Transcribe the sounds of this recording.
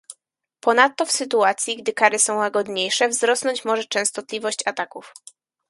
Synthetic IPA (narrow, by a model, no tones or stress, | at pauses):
pɔnat̪ːɔfsɘt̪uat̪sʲjiɡd̪ɘkaɾɘsɔ̃w̃waɡɔd̪ɲejʂɛvzɾɔsnɔɲt͡ɕmɔʐɛt͡ʂɛ̃w̃st̪ɔt̪lʲivɔɕt͡ɕat̪akuf